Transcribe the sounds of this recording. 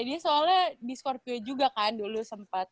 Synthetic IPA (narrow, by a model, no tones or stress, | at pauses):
adiasoaladiskɔrpid͡ʒuɡakandulusəmpat̪̚